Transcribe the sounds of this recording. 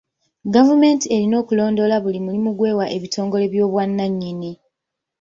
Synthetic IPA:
ɡavume̞ːntie̞ɾino̞ːkulo̞ːndo̞laβulimulimuɡwe̞ːwaʔe̞βitʰo̞ːŋɡo̞le̞βjo̞ːβwanːaɲːini

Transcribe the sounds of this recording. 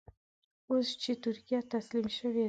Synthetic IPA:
ɵzt͡ʃʰɪt̪ʰʊɾkʲijat̪ʰaslimʃɪve

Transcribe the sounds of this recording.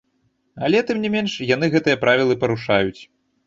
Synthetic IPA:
ɐlʲɛt̪ɨmnʲimʲɛnʂjan̪ɨɣɛt̪ɨjɐpɾavʲilˠɨpɐɾuʂajut͡sʲ

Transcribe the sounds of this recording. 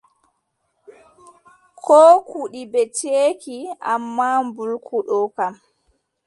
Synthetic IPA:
kʰɔːkuɗibɛt͡ʃeːkiʔamːambulkʰuɗɔkam

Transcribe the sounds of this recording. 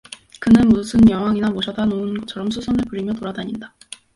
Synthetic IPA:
kɯnɯnmusʰɯnjʌŋɦwaŋinamoɕʰʌdanounɡʌt͡ɕʰʌɾʌmsʰusʰʌnɯɭpɯɾimjʌtoɾadaɲinda

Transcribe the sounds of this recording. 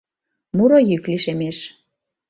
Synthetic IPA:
muɾojykliʃemeʃ

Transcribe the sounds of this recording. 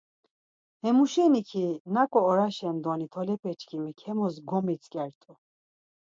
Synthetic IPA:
hɛmuʃɛnikʰinakʼɔːɾaʃɛnd̪ɔnit̪ʰɔlɛpʰɛt͡ʃʰʼkʰimikʰɛmɔsɡɔmɛsʰʼkʼɛɾt̪ʼɔ

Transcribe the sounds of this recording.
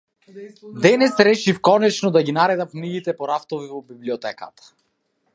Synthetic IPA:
d̪ɛnɛsɾɛʃifkɔnɛt͡ʃnɔd̪aɡinaɾɛd̪amkniɡit̪ɛpɔɾaft̪ɔvivɔbibliɔt̪ɛka̰t̪ʰḁ

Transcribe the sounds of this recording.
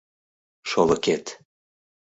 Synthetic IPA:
ʃolɤket̪

